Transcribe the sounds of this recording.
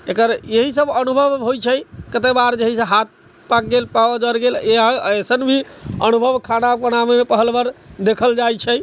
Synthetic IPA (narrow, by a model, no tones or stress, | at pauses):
ekəɾeɦisəbənubʱəʋɦojt͡ʃʰɛjkət̪ebaɾd͡ʒeɦiseɦat̪̚ | pak̚ɡelpad͡ʒəɾɡeleaesənbʱiənubʱəbkʰanabənamemepəɦəlbəɾd̪ekʰəld͡ʒajt͡ʃʰɛ